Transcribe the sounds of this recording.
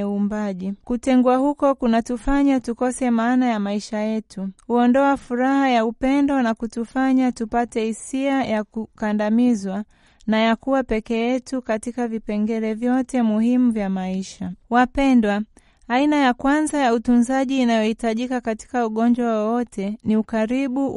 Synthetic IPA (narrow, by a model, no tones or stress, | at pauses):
uːmbaʄikutɛŋɡuahukɔkunatufaɲatukɔsɛmaːnajamaiʃajɛtʰuhuɔndɔafuɾahajaupɛndɔnakutufaɲatupatɛhisiajakukandamizwa | najakuwapɛkɛjɛtukatikavipɛŋɡɛɾɛvjɔtɛmuhimuvjamaiʃawapɛndwaː | inajakwanzajautunzaʄiːnajɔhitaʄikakati̥kauɠɔɲd͡ʒwawwɔtʰɛniukaɾiɓu